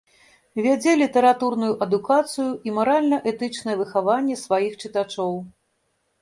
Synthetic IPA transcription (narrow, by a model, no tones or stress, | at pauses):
vʲad͡zʲɛlʲit̪ɛɾat̪urnujuʔɐd̪ukat̪sɨjuʔimaɾalʲnɐʔɛt̪ɨt͡ʂnɐjɛvɨxavanʲːɛsvajixt͡ʂɨt̪at͡ʂɔw